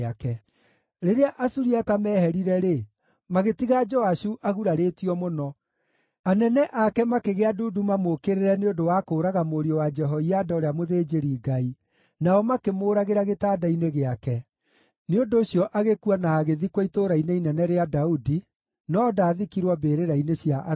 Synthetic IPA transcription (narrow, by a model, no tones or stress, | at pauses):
akɛ | ɾeɾeaʔasuɾiatamɛːhɛɾiɾɛɾe | maɣetiɣad͡ʒɔaʃuʔaɣuɾaɾetiɔmonɔ | anɛnɛʔakɛmakeɣeaduːdumamokeɾeɾɛneondowakoːɾaɣamoɾiɔwad͡ʒɛɦɔiadaoɾeamoðeːd͡ʒeɾiːɡai | naɔmakemoːɾaɣeɾaɣetaːdaineɣeakɛ | neondoːɕjɔʔaɣekuanaːɣeðikwaitoɾaineinɛnɛɾeadaudi | nɔdaːðikiɾwɔbeɾeɾainesjaʔ